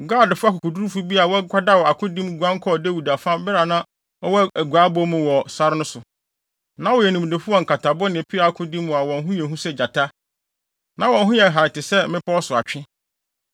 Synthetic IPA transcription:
ɡaː˦˨dfʊ˦a˦kʊ˨kʰʊ˨du˦ɾu˦fu˦bi˦a˨wɔ˦kʷʰa˦da˦wɔ˨a˨kʰʊ̃˦dĩ˦mɡʷã˦ŋ˦kʰɔ˦˨de˦wu˨da˨fã˦bɛ˦ɾa˨nã˦ | ɔ˦wɔ˦æ˨ɡʷaː˨˦bɔ˦mʊ̃˨wɔ˨sa˦ɾɪ˦nʊ̃˦sʊ˨ | nã˦wɔ˨jɛ˨nũ˨m˨de˨fʊ˦ɔ˦˨ŋ̩˨kʰa˨tʰa˨bɔ˦nɪ̃˨pʰi˦a˨a˨kʰʊ̃˦dĩ˦mːʊ̃˨a˨wɔ̃˨n˦ɦũ˦jɛ˨ɦũ˦sɛ˦d͡ʑa˨tʰa˦ | nã˨˦wɔ̃˨n˦ɦʊ̃˦jɛ˨ɦa˨ɾɪ˨tɪ˨sɛ˦mɪ̃˦pɔ˦ɔ˦sʊ˨a˨t͡ɕᶣɪ̃˦

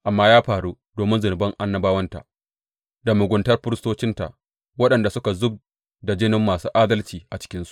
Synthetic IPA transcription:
ʔa˨mːaː˦jaː˦ɸaː˨ɽu˦ | doː˨mɪ˦nzʊ˨nɪ˨bɐ˦ŋʔa˦nːɐ˦baː˦wɐ˦nta̰˨ | da˨mʊ˨ɡʷʊ˨ntɐ˦rɸɪ˦ɾɪ˦stoː˦t͡ʃɪ˦nta̰˨ʔ | wɐ˦ɗɐ˨nda˨sʊ˦ka˨zʊ˦b̚ | da˨d͡ʒɪ˦nɪ˦mːaː˨suː˦ʔaː˦dɐ˦lt͡ʃiː˨ʔa˨t͡ʃɪ̥˦kʲɪ˦nsu̥˦ʔ

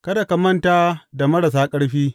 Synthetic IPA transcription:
kɐ˦da˨ka˨mɐ˦ntaː˦da˨mɐ˦ɽa˨s̬aː˦kʼɐ˦ɽɸiː˦

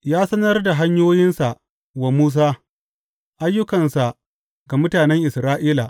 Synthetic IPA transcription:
jaː˦sɐ˦nɐ˦rda˨ɦa˦ɲjoː˦jɪ˦nsa˨ʔ | wa˨muː˦s̬aː˦ | ʔa˦jːʊ˦kɐ˨nsa˨ | ɡa˨mʊ˦taː˨nɛ˦ŋʔɪ˨sɾaː˦ʔiː˦la˨

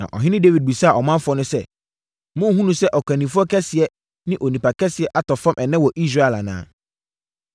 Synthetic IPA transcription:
nã̰˨ʔɔ̰˨ɦɪ̃˦nɪ̃˦de˦wi˨d̚bi˨sa˦˨ʔɔ˨mã˦m˦fʊ˨ɔ˦nʊ̃˦sɛ˦ | mʊ̃˦ɦũ˦nũ˦sɛ˦ʔɔ˨kʰã˨nĩ˨fʊ˦ɔ˦kʰɛ˦sɪ˨ɛ˦ | nɪ̃˦ʔo˨nĩ˨pa˨kʰɛ˦sɪ˨ɛ˦ʔa˦tɔ˨fã˦mʔɛ˨nɛ̃˦wɔ˨ʔi˦s̬ɾa˦ɛ˨la˨nã̰ː˨˦

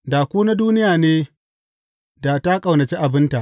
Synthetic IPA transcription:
daː˨kʷuː˦na˦duː˦nɪ˦jaː˨neː˦ | da˨ta˦kʼa˨wnɐ˨t͡ʃe˦ʔa˨bɪ˦nta˨ʔ

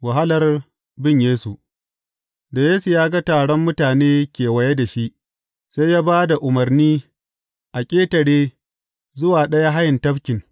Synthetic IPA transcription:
wa˨ɦa˦lɐ˨r | bɪ˦ɲjeː˦su˨ʔ | da˨jeː˦su˨jaː˦ɡa˦taː˨ɽɔ˦mːʊ˦taː˨neː˦kʲeː˨wɐ˨je˦da˨ʃi˦ʔ | sa˦jjaː˦baː˦da˨ʔʊ˨mɐ˨rniː˦ | ʔa˨kʲʼeː˦tɐ˨ɽeː˦ | zʊ˦waː˨ɗɐ˦ja˦ɦa˦jɪ˨ntɐ˦ɸkʲɪ˨ŋ

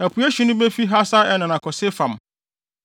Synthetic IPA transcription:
æ˨pʰu˨˦æ˦ɕi˨nʊ̃˦be˦fi˦ɦa˦sa˦ɛ˦nã˨nã˨kʰɔ˨se˦fã˨m

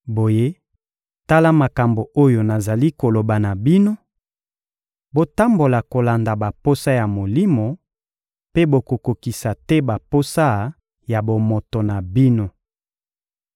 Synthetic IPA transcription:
bo˨je˦ | ta˦la˦ma˨ka˨mbo˨ʔo˦jo˨na˨za˨li˦ko˨lo˨ba˨na˨bi˦no˦ | bo˦ta˦mbo˨la˨ko˨la˨nda˨ba˨po˦sa˦ja˨mo˨li˦mo˨ | pe˦bo˨ko˨ko˨ki˨sa˨tɛ˦ba˨po˦sa˦ | ja˨bo˨mo˨to˨na˨bi˦no˦

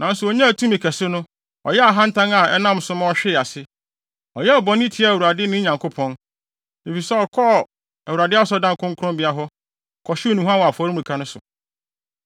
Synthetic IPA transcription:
nã˨n̩˦sʊ˨ɔ˨ɲã˦æ˨tʰũ˦mĩ˨kʰɛ˨sʊ˦nʊ̃˦ | ɔ̰˨jɛ˦a˨ɦã˦n̩˦tʰã˦ŋa˨ɛ˦nã˦m˨sʊ̃˦mã˦ɔ˦ɕᶣɪ˦˨a˨sɪ˦ | ɔ˨jɛ˦ɔ˨bɔ̃˨n˦ĩ˦tʰi˨˦a˦˨wu˨ɾa˨dɪ˦nɪ̃˦ɲã˨ŋkʰo˦pʰɔ̃˦n | e˨fi˨sɛ˦ɔ˨kʰɔ˦˨ | æ˨wu˨ɾa˨dɪ˦a˦sɔ˦dã˦ŋ˨kʰʊ̃˦ŋkʰʊ˦ʊ̃˦mbɪ˨a˦ɦɔ˦ | kʰɔ˨ɕɪ˦nũ˨ɦã˦wa˨fɔ˨˦ɾi˦mũ˨ĩ˨kʰa˦nʊ̃˦sʊ̰˨

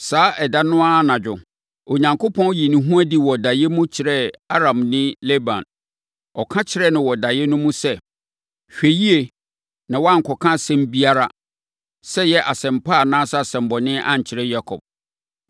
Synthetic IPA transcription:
saː˨˦ʔɛ˨da˦nʊ̃˦a˦nã˨d͡ʑᶣʊ̰̃˨ | o˨ɲã˨ŋko˦pʰɔ̃˦n˦ji˨nũ˨ɦũ˦æ˦di˨wɔ˨da˨jɛ˦mũ˦t͡ɕʰɪ˨ɾɛ˦a˦ɾã˨mnɪ̃˦le˦bã̰˨n | ɔ˨kʰã˦t͡ɕʰɪ˨ɾɛ˦nʊ̃˨wɔ˨da˨jɛ˦nʊ̃˦mũ˦sɛ˦ | ɕᶣe˨ji˦e˨ | nã˨wɔ˦a˦ŋ̩˨kʰɔ˨kʰã˦˨sɛ̃˦m˦bi˦a˦ɾa˦ | sɛ˦jɛ˦ʔa˨sɛ̃˨mpʰa˦˨nãː˦sa˦a˨sɛ̃˨m˨bɔ˨nɪ̃˦ʔã̰˦ɲ˨t͡ɕʰɪ˨ɾɛ˦ja˦kʰɔ̰˨b̥̚

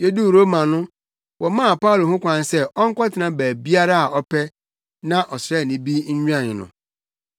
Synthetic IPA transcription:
je˦du˦˨ɾo˦mã˨nʊ̃˦ | wʔɔ˨mã˦˨pa˦u˨lo˨ɦʊ̃˦kʷʰã˨n˦sɛ˦ʔɔ˦ŋ̩˦kʷɔ˦tʰɪ˨nã˦bæː˨bi˦a˦ɾa˦a˨ɔ˦pʰɛ˦ | nã˦ʔɔ˨sɾɛ˦˨nĩ˨bi˦ɲ̩˦ɲᶣã˦˨nʊ̰̃˨

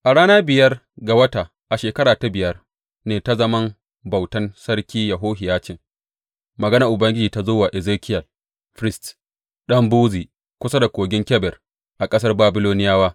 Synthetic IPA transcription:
ʔa˨ɽaː˦naː˦bɪ˨jɐ˦r | ɡa˨wɐ˦ta˨ | ʔa˨ʃeː˨kɐ˦ɽaː˨ta˦bɪ˨jɐ˦r | neː˨ta˦zɐ˦mɐ˦m | bɐ˨wtɐ˦nsɐ˦rkʲiː˦jɐ˨ɦoː˦ɦɪ˨jaː˦t͡ʃɪ˨ŋ | mɐ˨ɡɐ˦nɐ˨ʔʊ˨bɐ˦ŋɡʲɪ˦d͡ʒiː˨ta˦zoː˦waː˨ʔɛ˨zeː˦kʲʰɪ˦jɐ˨l | ɸɾɪ˦st | ɗɐ˦mbuː˦ziː˨ | kʷʊ˦sa˦da˨kʷoː˨ɡʲɪ˦ŋkʲɛ˦bɛ˨r | ʔa˨kʼɐ˦sɐ˦rbaː˦bɪ˦loː˦nɪ˦jaː˦waː˦

